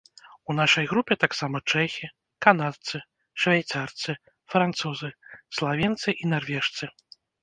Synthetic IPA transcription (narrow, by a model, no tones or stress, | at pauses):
un̪aʂɐjɣɾupʲɛt̪aksamɐt͡ʂɛxʲi | kanat̪sɨ | ʂvʲajt̪sart̪sɨ | fɾant̪suzɨslˠavʲɛnt̪sɨʔinarvʲɛʂt̪sɨ